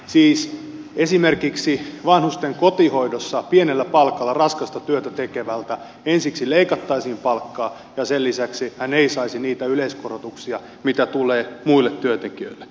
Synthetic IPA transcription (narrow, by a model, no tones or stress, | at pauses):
siːsesimerkiksiʋɑnhust̪eŋkot̪ihoidosːɑpienelːæpɑlkɑlːɑrɑskɑst̪ɑt̪yøt̪æt̪ekeʋælt̪æ | ensiksileikɑt̪ːɑisimpɑlkːɑː | jɑselːisæksihæneisɑisiniːt̪æyleiskorot̪uksiɑ | mit̪æt̪uleːmuilːet̪tyøt̪ekiø̰ilːe̥